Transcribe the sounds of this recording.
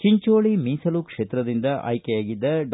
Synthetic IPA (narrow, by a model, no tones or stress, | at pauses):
t͡ʃiɲt͡ʃoːɭimiːsɐlukʂeːt̪ɾɐd̪ind̪ɐʔɐ̰jkejaːɡid̪ːɐɖ